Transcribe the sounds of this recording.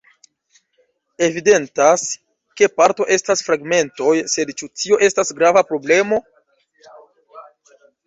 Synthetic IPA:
e̞vide̞ntas | ke̞paɾto̞ʔe̞stasfɾaɡme̞nto̞jse̞dt͡ʃutio̞ʔe̞stasɡɾavapɾo̞ble̞mo̞

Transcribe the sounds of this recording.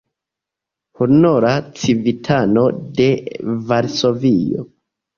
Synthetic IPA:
hunoɾat͡sivitʰano̞de̞vaɾso̞vijo̰

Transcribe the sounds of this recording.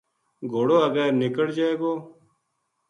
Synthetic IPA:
ɡʱoːɽoːəɡɛːɾnɪkəɽd͡ʒaːeːɡoː

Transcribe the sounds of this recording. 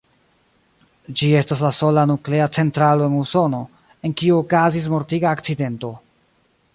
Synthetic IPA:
d͡ʒie̞stas̬laso̞lanukle̞at͡se̞ntɾalo̞e̞nuso̞no̞ | e̞nkiuːkazis̬mo̞ɾtiɡaːkt͡side̞nto̞

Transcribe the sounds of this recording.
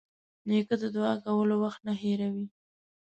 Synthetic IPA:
nekəd̪əd̪wɑakawəlowaxt̪̚naɦeɾawi

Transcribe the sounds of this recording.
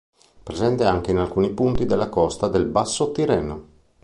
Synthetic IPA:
pɾezɛnt̪eaŋk̟einalkuːnipunt̪id̪elːakɔst̪ad̪elbasːot̪iɾɛːno

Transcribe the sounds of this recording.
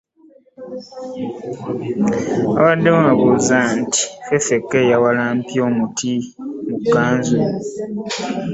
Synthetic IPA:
a̰wadːewakuzanti̥fefe̞kːe̞ːjawalaːmpjo̞ːmutʰi | mukːaːnze

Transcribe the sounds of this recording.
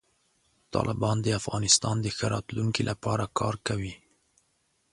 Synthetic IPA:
t̪ɑ̰lʔɪbɑnd̪əafɣɑnɪst̪ɑnd̪əxəɾɑt̪luŋkilʔapɑɾakɑɾkawi

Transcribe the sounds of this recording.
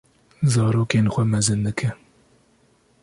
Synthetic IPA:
zɑːɾoːkeːnxʷɛmɛzɨnd̪ɨkʰɨ

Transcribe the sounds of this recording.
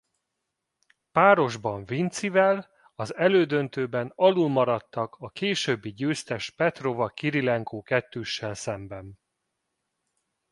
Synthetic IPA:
paːɾo̞ʒbɒɱvint̪sivɛl | ɒzɛløːd̪ø̞nt̪øːbɛnɒlulmɒɾɒt̪ːɒkʰɒkeːʃøbːiɟøːst̪ɛʃpɛt̪ro̞vɒkiɾilɛŋkoːkɛt̪ːøːʃːɛlsɛmbɛn

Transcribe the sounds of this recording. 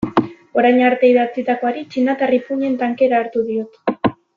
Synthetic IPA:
o̞ɾajɲaɾt̪e̞iðat͡sit̪ako̞aɾit͡ʃinat̪aripuɲe̞nt̪aŋke̞ɾaːɾt̪uðio̞t̪

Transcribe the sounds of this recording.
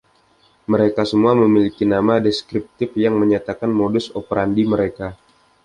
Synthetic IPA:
məɾekasəmuaməmilikinamadeskɾip̚t̪ɪfjaŋməɲat̪akanmodʊsopəɾandiməɾeka

